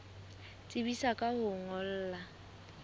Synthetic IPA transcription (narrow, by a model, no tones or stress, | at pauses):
t͡sʼɪbisakʼahʊŋɔl̩ːla